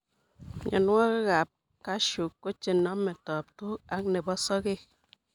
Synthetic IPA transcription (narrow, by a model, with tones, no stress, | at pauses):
ɲʔa̰˨n˦ŋɔ˦kɣa˨p̚ | ka˦ʃu˨kːo˦t͡ʃe˨nɔ˦mːe˨tɔ˨p̚tu˦a˦k̚ne˨bɔ˦sɔ˦ke˦˨